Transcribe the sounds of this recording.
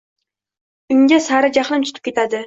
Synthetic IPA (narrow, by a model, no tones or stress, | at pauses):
ʊŋɡʲasaɾɪd͡ʒaχlˠɪmt͡ʃ̪ʰʊ̥t̪ʰɪ̥p̚kʲe̞t̪ʰad̪ɪ